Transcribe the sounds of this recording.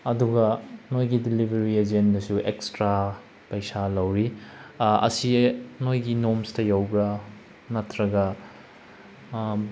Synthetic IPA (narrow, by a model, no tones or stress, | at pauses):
ɐduɡɐnojɡidilibʱɐɾied͡ʒenːɐsuekstɾa | pɐjsalɐwɾi | ɐ̰sinojɡinomstɐjawbɾɐ | mɐtʰɾɐɡɐ